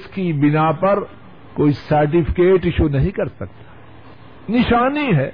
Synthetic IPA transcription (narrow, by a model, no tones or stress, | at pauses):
skibɪnapɐɾ | koːisɐɾʈ̬ɪpʰɪ̥keːʈɪʃunɐɦĩkɐɾsɐk̚t̪ḁ | nɪʃaːniɦɛː